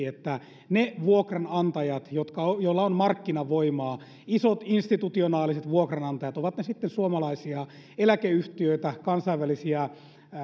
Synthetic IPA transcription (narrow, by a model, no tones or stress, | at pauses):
et̪ːæ | neʋuokrɑnɑnt̪ɑjɑt̪jot̪kɑojoilːɑonmɑrkːinɑʋoimɑː | isot̪inst̪it̪ut̪ionɑːliset̪ʋuokrɑnɑnt̪ɑjɑt̪oʋɑt̪nesit̪ːensuomɑlɑisiɑ | elækeyht̪iøit̪ækɑnsɑiʋʋælisiɑ